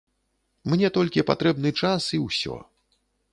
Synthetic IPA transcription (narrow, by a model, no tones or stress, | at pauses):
mnʲɛt̪ɔlʲkʲipa̰t̪ɾɛbnɨt͡ʂasiwsʲɔ̰